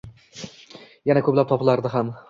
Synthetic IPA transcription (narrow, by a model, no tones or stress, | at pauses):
janakʰɵplap̚t̪ʰɒpʰɪlaɾd̪ɪɦam